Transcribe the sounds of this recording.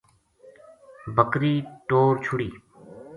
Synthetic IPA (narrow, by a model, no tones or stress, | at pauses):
bʱəkɾiːʈoːɾt͡ʃʰʊɽiː